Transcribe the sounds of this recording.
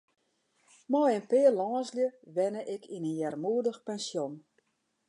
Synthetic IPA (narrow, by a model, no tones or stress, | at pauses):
mɔjənpɪərlɔːsljəʋɛnəʔɪkʰinənjɛrmuədəxpɛnsjon